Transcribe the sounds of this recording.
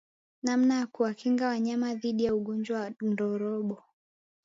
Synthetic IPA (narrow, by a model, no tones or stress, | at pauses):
nam̩najakuwakiŋɡawaɲamaðiɗijauɠɔɲd͡ʒwawndɔɾɔɓɔ